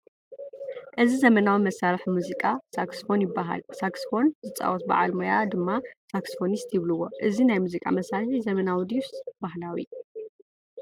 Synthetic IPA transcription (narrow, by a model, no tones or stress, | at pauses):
ʔɨzizɐmɐnawimɐsalħimuzikʼasaksfo̞njɪbːaɦa̰lsaksfo̞nzɨt͡sʼa̰wot̪̚ba̰ʕalmojad̪ɨmːasaksfo̞nist̪jɪβlɨwːo̞ʔɨzinajmuzikʼa̰mɐsalħizɐmɐnawid̪ifsbaɦlawi